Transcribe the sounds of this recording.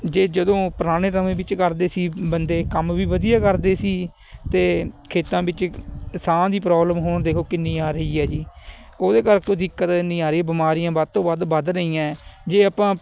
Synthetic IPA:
d͡ʒeːd͡ʒəd̪õːpəɾaːɽ̃eːɾəmẽːbɪt͡ʃkəɾd̪eːsiːbənd̪eːkəmʋiːʋəd̪ɪjaːkəɾd̪eːsiː | t̪eːkʰeːt̪ãːbɪt͡ʃsãːd̪iːp̬ɾɔːbləmɦoːɳd̪eːkʰoːkɪnːĩːaːɾəiːɛːd͡ʒiː | oːd̪eːkəɾkod̪ɪkːət̪ɪnːĩːaːɾeiːbɪmaːɾijãːbəd̪̚t̪õːbəd̪bəd̪ɾəiːãːd͡ʒeːapãː

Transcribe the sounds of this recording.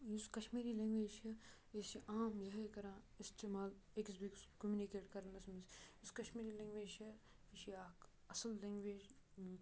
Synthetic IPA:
juskɐʃmiːɾilẽŋɡʋeːd͡ʒt͡ʃɐ | esiʔaːmjɐɦekɐɾãː | ist̪emaːleksbikskɐmjunikeːʈkɐɾnɐsmisuskɐʃmiːɾilẽːŋɡʋeːd͡ʒt͡ʃʰɐ | iʃiaːk | ɐsɐllẽŋɡʋeːd͡ʒ

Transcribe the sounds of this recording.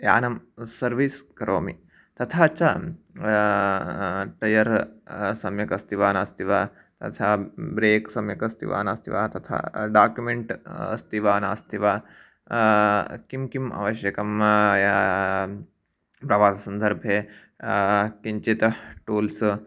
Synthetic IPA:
ja̰ːnɐmsɐɾʋiskɐɾoːmḭ | t̪ɐt̪ʰat͡ʃa | ʈɐjɐɾsɐmjɐkɐst̪ʰiʋaːnaːst̪ʰiʋaː | t̪ɐ̰t̪ʰabɾeːksɐmjɐkɐst̪ʰḭʋa̰ːnaːst̪ʰḭʋa̰ːt̪ɐt̪ʰa̰ɖaːkjumeɳʈɐ̰st̪iʋaːna̰ːst̪ʰiʋaː | kimkima̰ʋɐʃjɐkɐmja | pɾɐʋaːsɐsɐnd̪ʱɐɾbʱje | kiɲt͡ʃit̪ʈuːls

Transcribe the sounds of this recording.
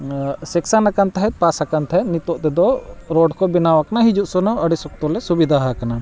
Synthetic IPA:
sɛksanakant̪aɦɛt̪̚pasakant̪ʰaɦɛt̪̚nit̪ɔʔt̪ɛd̪ɔɾɔɖkɔbinawakanaɦid͡ʒuʔsɔnɔʔəɽisɔk̚t̪ɔlɛsubid̪ʱaɦakana

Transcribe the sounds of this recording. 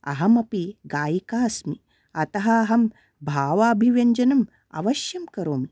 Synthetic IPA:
ɐ̰ɦɐmɐpiɡaːjikaːsmi | ɐt̪ɐɦɐːɦɐm | bʱaːʋaːbʱiʋjɐɲd͡ʒɐnɐm | ɐ̰ʋɐʃjɐmkɐɾoːmi

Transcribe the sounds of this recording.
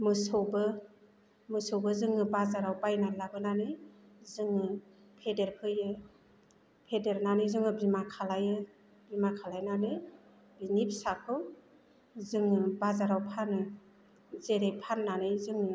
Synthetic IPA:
mɯsɯwbɯ | mɯsɯwbɯzɯŋɯbazaɾawbajnajlabɯnanɯjzɯŋɯ | pʰedeɾhʰɯjɯ | pʰedeɾnanɯjzɯŋɯbimakʰalajɯ | bimakʰalajnanɯj | binip̚ʰsakʰɯw | zɯŋɯbazaɾawpʰanɯ | zeɾejpʰanːanɯjzɯŋɯ

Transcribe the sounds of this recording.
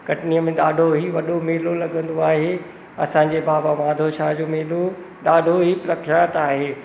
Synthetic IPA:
kɐʈniəmẽɗaːɖʱoɦiʋɐɗomeːlolɐɠə̃nd̪oaːɦe | ɐ̰sãɲ̆d͡ʑebaːbaʋãːd̪ʱoʃaːɦd͡ʑoːmeːlo | ɗaːɖʱoɦipɾɐkʰjaːt̪aːɦeː

